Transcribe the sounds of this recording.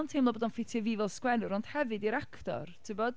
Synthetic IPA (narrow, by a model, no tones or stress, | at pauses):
ntʰejmlˠɔboːdɔnfɪtʰjɛvivɛlˠskwɛnʊɾɔnd̥hɛvɨdiɾakʰtɔ̰rtʰɨbɔd